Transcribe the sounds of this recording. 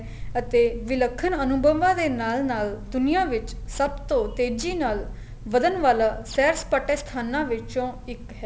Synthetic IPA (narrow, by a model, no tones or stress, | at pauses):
ət̪eːʋɪləkʰːənənʊbəʋãːd̪eːnaːlnaːld̪ʊnɪjãːʋɪt͡ʃsəbt̪õːt̪eːd͡ʒiːnaːl | ʋəd̪ənʋaːlaːsɛːɾspəʈeːst̪ʰaːnãːʋɪt͡ʃõːɪkɦɛː